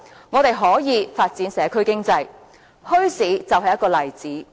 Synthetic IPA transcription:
ŋɔː˨˧t̪e˨jɦɔː˨˥jiː˨˧faː˧t̚t͡siː˨˥nsɛː˨˥kʰɵ˥ɥkɪ˥ŋt͡sɐ˧j | hɵ˥ɥsiː˨˥t͡sɐ˨wɦɐ˨jːɐ˥tkɔː˧lɐ˨jt͡siː˨˥

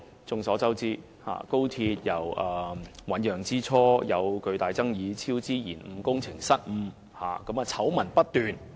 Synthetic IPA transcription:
t͡sʊ˨˧ŋsɔː˨˥t͡sɐ˥wt͡siː˥ | ha̰ː˨ko˥wt̪ʰi˧t̚jɐ˨˩wʔɐː˨wɐ˨˥njœː˨˩ŋt͡siː˥t͡sʰɔː˥jɐ˨˧wkɵ˧ɥt̪aː˨jt͡sɐ˥ŋjiː˨˧t͡sʰiː˥wt͡siː˥jiː˨˩nm̩˨˧kʊ˥ŋt͡sʰɪ˨˩ŋsɐ˥t̚m̩˨˧ | ha̰ː˨kɐ˨˥maː˨˧t͡sʰɐ˨˥wmɐ˨˩npɐ˥t̚t̪yː˨˧n

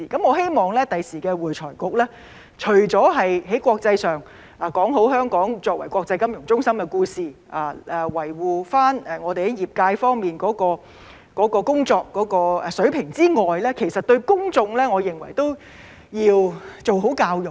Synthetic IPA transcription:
iː˨˩kɐ˨˥mŋɔː˨˧ɦe˥jmɔː˨ŋlɛː˥t̪ɐ˨jsiː˨˩kɛː˧wuː˨˩t͡ʃʰɔː˨˩jkʊ˨k̚lɛː˥ | t͡ʃʰɵ˨˩ɥt͡sɔː˨˥ɦɐ˨jɦe˨˥jkʷwɔː˧k̚t͡sɐ˧jsœː˨ŋ | aː˨˩kɔː˨˥ŋɦo˨˥wɦœː˥ŋkɔː˨˥ŋt͡sɔː˧k̚wɐ˨˩jkʷwɔː˧k̚t͡sɐ˧jkɐ˥mjʊ˨˩ŋt͡sʊ˥ŋsɐ˥mkɛ˧kuː˧siː˨ʔaː˨˩ɛː˨wɐ˨˩jwuː˨faː˥nɛː˨ŋɔː˨˧t̪e˨hɐ˨˦jiː˨p̚kaː˧jfɔː˥ŋmiː˨nkɔː˨˥kɔː˧ | kɔː˨˥kɔː˧kʊ˥ŋt͡sɔː˧kːɔː˨˧˥kɔː˧ɛ˨sɵ˨˥ɥpʰɪ˨˩ŋt͡siː˥ŋɔː˨jlɛː˥kʰe˨˩jsɐ˨t̚t̪ɵ˧ɥkʊ˥ŋt͡sʊ˧ŋlɛː˥ŋɔː˨˧jɪ˨ŋwɐ̰˨˩jt̪o˥w | jiː˧wt͡so˨wɦo˨˥wkaː˧wjʊ˨

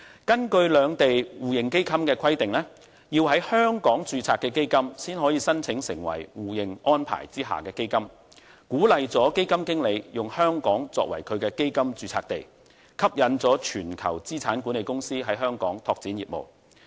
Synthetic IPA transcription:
kɐ˥nkɵ˧ɥlœː˨˧ŋt̪e˨jwuː˨jɪ˨ŋke˥jkʰɐ˥mkɛː˧kʰɐ˥jt̪ɪ˨ŋlɛː˥ | jiː˧wɦɐ˨˥jhœː˥ŋkɔː˨˥ŋt͡syː˧t͡sʰaː˧t̚kːɛː˧ke˥jkɐ˥msiː˥nɦɔː˨˥jiː˨˧sɐ˥nt͡sʰɪ˨˥ŋsɪ̰˨˩ŋwɐ̰˨˩jwuː˨jɪ˨˩ŋɔː˥npʰa̰ː˨˩jt͡siː˥ɦa̰ː˨kɛː˧ke˥jkɐ˥m | kuː˨˥lɐ˨jt͡sɔː˨˥ke˥jkɐ˥mkɪ˥ŋle˨˧jjʊ˨ŋhœː˥ŋkɔː˨˥ŋt͡sɔ̰ː˧k̚wɐ̰˨˩jkʰɵ˨˧ɥkɛː˧ke˥jkɐ˥mt͡syː˧t͡sʰa̰ː˧k̚t̪e˨j | kʰɐ˥p̚jɐ˨˧nt͡sɔː˨˥t͡ʃʰyː˨˩nkʰɐ˨˩wt͡siː˥t͡sʰaː˨˥nkuː˨˥ne˨jkʊ˥ŋsiː˥ɦɐ˨˥jɦœː˥ŋkɔː˨˥ŋt̪ʰɔː˧k̚t͡siː˨˥njiː˨p̚mo̰˨˩w

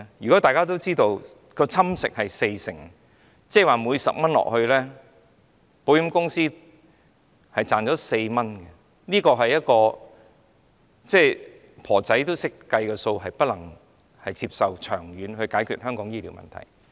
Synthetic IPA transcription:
jy˨˩kɔ˨˥t̪aː˨jkaː˥t̪o˥wt͡siː˥t̪o˧w | kɔː˧t͡sʰɐ˥msɪ̰˨k̚hɐ˨jse˧jsɪ̰˨˩ŋ | t͡sɛː˥˩waː˨muː˨˧jsɐ̰˨p̚mɐ˥nlɔ̰ː˨k̚hɵ˧ɥlɛː˥ | po˨˧wjɐ˥mkʊ˥ŋsiː˥ | hɐ˨jt͡saː˨nt͡sɔː˨˥se˧jmɐ˥nkɛ˧ | niː˥kɔː˧ɦɐ˨jːɐ˥t̚kɔː˧ | t͡sɛː˥˧ | pʰɔː˨˩t͡sɐ˨˥jt̪o˥wsɪ˥kːɐ˧jkɛ˧so˧wɦɐ˨jpɐ˥t̚lɐ˨˩ŋ | hɐ˨jt͡si˧p̚sɐ˨wt͡ʃʰœː˨˩ŋjyː˨˧nhɵ˧ɥkaː˨˥jkʰy̰˨t̚hœː˥ŋkɔː˨˧˥ŋjiː˥lḭː˨˩wmɐ̰˨˩nt̪ʰɐ̰˨˩j

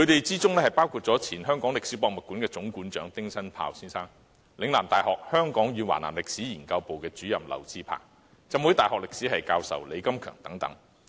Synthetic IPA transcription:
kʰɵ˨˧ɥt̪e˨jt͡siː˥t͡sʊ˥ŋlɛː˥hɐ˨jpaː˥wkʰuː˧t̚t͡sɔ˨˥t͡sʰiː˨˩nhœː˥ŋkɔː˨˥ŋlɪ˨k̚siː˨˥pɔː˧k̚mɐ˨˩t̚kːuː˨˥nkɛː˧t͡sʊ˨˥ŋkuː˨˥nt͡ʃœː˨˥ŋt̪ɪ˥ŋsɐ˥npʰa̰ː˧wsiː˥nsaː˥ŋ | lɪ˨˧ŋlaː˨˩mt̪aː˨˩jɦɔː˨k̚hœː˥ŋkɔː˨˥ŋjyː˨˧wa̰ː˨˩na̰ː˨˩mlɪ˨k̚siː˨˥jiː˨˩nkɐ˧wpo˨wkɛː˧t͡ʃyː˨˥jɐ˨˩mlɐ̰˨˩wt͡siː˧pʰa̰ː˨˩ŋ | t͡sɐ˨mwuː˨˥jt̪aː˨˩ɦɔː˨k̚lɪ˨k̚siː˨˥hɐ˨jkaː˧wsɐ̰˨wle˨˧jkɐ˥mkʰœ̰ː˨˩ŋt̪ɐ˨˥ŋt̪ɐ̰˨˥ŋ

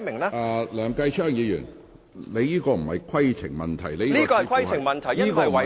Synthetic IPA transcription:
mɪ˨˩ŋlaː˥a˧lœː˨˩ŋkɐ˧jt͡ʃʰœː˥˩ŋjiː˨˧jy̰ː˨˩n | le˨˧jiː˥kɔː˧m̩˨˩hɐ˨jkʰɐ˥jt͡sʰɪ˨˩ŋmɐ˨nt̪ʰɐ˨˩jle˨˧jliː˥kɔː˧hɐ˨kʰɐ˥jt͡sʰɪ˨˩ŋmɐ˨nt̪ʰɐ˨˩jɐː˥kɔː˨˧˨ɐ˨

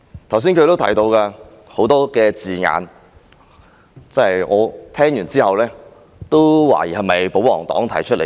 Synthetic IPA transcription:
t̪ʰɐ˨˩wsi˥nkʰɵ˨˧t̪o˥wt̪ʰɐ˨˩jt̪o˧wkaː˧ | ho˨˥wt̪ɔː˥kɛː˧t͡siː˨ŋa̰ː˨˧n | t͡sɐ˥hɐ˨jŋɔː˨˧t̪ʰɛː˥ŋjyː˨˩nt͡siː˥hɐ˨wlɛː˥ | t̪o˥wwa̰ː˨˩jiː˨˩hɐ˨mɐ˨jpo˨˥wɔː˨˩ŋt̪ɔ̰ː˨˥ŋt̪ʰɐ˨˩jt͡ʃʰɵ˥t̚lḛ˨˩

